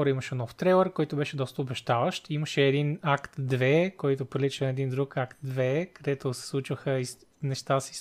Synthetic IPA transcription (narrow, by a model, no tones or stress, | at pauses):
ɔɾəimɐʃɛnɔft̪ɾɛlˠɛɾkɔjt̪obɛʃɛd̪ɔst̪əobɛʃt̪avəʃt̪iməʃɛːd̪inakt̪d̪vɛkɔjt̪ʊpɾilit͡ʃ̪ɛd̪ind̪ɾukakt̪̚d̪vɛkɐd̪ɛt̪osɛ̥slˠut͡ʃvəxəi | nɛʃt̪asi̥